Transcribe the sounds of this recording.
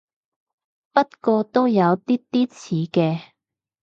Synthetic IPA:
pɐ˥t̚kɔː˧t̪o˥wjɐ˨˧wt̪iː˥t̪iː˥t͡sʰiː˨˥kɛː˧

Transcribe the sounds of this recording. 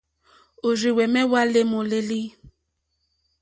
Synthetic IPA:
o˨ɾi˨wɛ˨mɛ˦wa˦le˦mo˨le˦li˦

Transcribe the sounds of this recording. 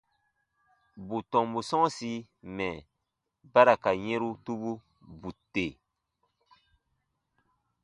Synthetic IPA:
bu˨tɔ̃˨mbu˨sɔ̃˦si˦ | mɛ˨ | ba˦ɾa˨ka˨ɲɛ̃˦ɾu˦tu˦bu˦ | bu˨te˨

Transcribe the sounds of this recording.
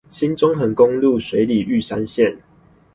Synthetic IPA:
ɕi˦nt͡sʊ˦ŋɦə˨˩nkʊ˦˥ŋlu˥˨swe˨˦ɪli˨˩y˥˨sa˦nɕjɛ˥˨n

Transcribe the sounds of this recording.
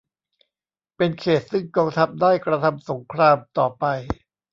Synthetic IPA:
pe˧nkʰeː˨˩t̪̚sɯ˥˩ŋkɔː˧ŋt̪ʰa˦˥p̚daː˥˩jkɾa˧t̪ʰa˧mso˩˦ŋkʰɾaː˧mt̪ɔː˨˩pa˧j

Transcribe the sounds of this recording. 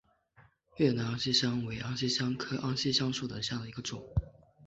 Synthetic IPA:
ɥɛ˥˩na˧˥ɑ˥ŋɕi˥ɕjɑ˥ŋwe˧˥ɪʔɑ˥ŋɕi˥ɕjɑ˥ŋkʰɤ˥ʔɑ˥ŋɕi˥˧ɕjɑ˥ŋʂu˥˩d̪ə˨˩ɕja˥˩d̪ə˩i˧˥ɡə˧ʈ͡ʂʊ˨˩˦ŋ

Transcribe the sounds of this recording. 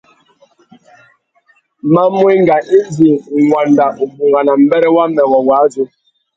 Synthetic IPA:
ma˦mwi˦ŋ˦ɡa˨ʔi˦d͡ʒi˨ŋwa˨nda˨ʔu˨bu˨ŋɡa˨na˨m̩˦bɛ˦ɾɛ˦wa˦mɛ˨wɔ˨wa˨˦zu˦

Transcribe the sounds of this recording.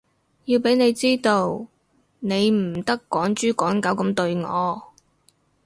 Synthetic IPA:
jiː˧wpe˨˥jne˨˧jt͡siː˥t̪o˧w | ne˨˧jm̩˨˩t̪ɐ˥kːɔː˨˥ŋt͡ʃyː˥kɔː˨˥nkɐ˨˥wkɐ˧mt̪ɵ˧ɥŋɔː˨˧

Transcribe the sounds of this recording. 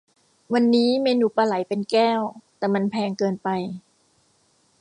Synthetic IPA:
wa˧nːiː˦˥meː˧nuː˧˩paː˧la˨˩˦jpe˧nkɛː˥˩wt̪ɛː˨˩ma˧npʰɛː˧ŋkɤː˧npa˧j

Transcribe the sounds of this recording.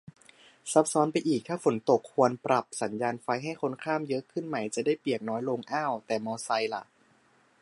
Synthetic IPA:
sa˦˥p̚sɔː˦˥npa˧jʔiː˨˩k̚t̪ʰaː˥˩fo˩˦nt̪o˨˩k̚ʰːu˧ənpɾa˨˩p̚sa˩˦njaː˧nfa˧jɦa˥˩jkʰo˧˥nkʰaː˥˩mjɤ˦˥ʔkʰɯ˥˩nma˧˩jt͡ɕa˨˩da˥˩jpi˨˩ək̚nɔː˦˥jlo˧ŋʔaː˥˩wt̪ɛː˨˩mɔː˧sa˧jla̰˨˩ʔ

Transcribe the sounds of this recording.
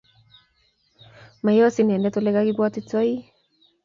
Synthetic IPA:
ma˨jɔ˦si˦nɛ˨ndɛ˦to˦lɛ˦ka˦ki˦kwɔ˦ti˦t͡sɔ˦i˦

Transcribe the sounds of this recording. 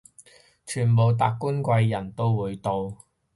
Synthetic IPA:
t͡ʃʰyː˨˩npo˨wt̪a̰ː˧kkːuː˥nkʷɐ˧jːɐ˨˩nt̪o˥wwuː˨˧jt̪o˨˧w

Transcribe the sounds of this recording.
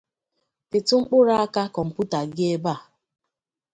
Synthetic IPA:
pɪ˨tʊ˦ŋ͡m̩˦k͡pʊ˦ɾa˦a˦ka˦kɔ˨m̩˨pu˦ta˨ɡɪ˦e˦ba˦˨

